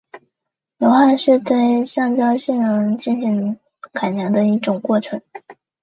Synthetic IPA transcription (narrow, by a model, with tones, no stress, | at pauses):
jo˧˥ʊxa˥˧nʂɻɛ˥˧t̪we˥˧ɪɕjɑ˥˩ŋt͡ɕjɑ˥ʊɕɛ˥˩nɻə˧˥ŋt͡ɕi˥˩nɕi˧˥ŋ | kʰa˨˩ɪnjɑ˧˥ŋd̪ə˧i˥˩ʈ͡ʂʊ˨˩ŋkwɔ˥˩ʈ͡ʂʰɤ˧˥ŋ